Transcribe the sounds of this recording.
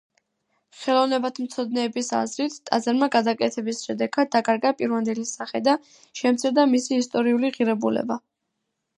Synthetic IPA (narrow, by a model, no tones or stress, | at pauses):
χɛlˠɔvnɛbat̪ʰm̩t̪sʰɔd̪̚nɛːbisa̰zɾit̪ʰt̪ʼa̰zaɾmaɡad̪akʼɛt̪ʰɛbisʃɛd̪ɛɡad̪̚d̪akʼaɾɡapʼiɾvand̪ɛlisaχɛd̪a | ʃɛmt̪sʰiɾd̪amisiːst̪ʼɔɾiuliʁiɾɛbulɛ̰ba